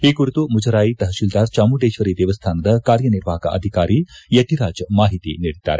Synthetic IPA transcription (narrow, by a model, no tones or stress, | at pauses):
iːɡuɾit̪umud͡ʒɐɾaːjit̪ɐɦɐʃild̪aːɾt͡ʃaːmuɖeːʃʋɐɾid̪ɛːʋɐst̪ʰaːnɐd̪ɐkaːɾjɐniɾʋaːkɐ̰ʔɐ̰d̪ʱikaːɾijɐt̪iɾaːd͡ʒmaːɦit̪ḭniːɽid̪ːa̰ːɾe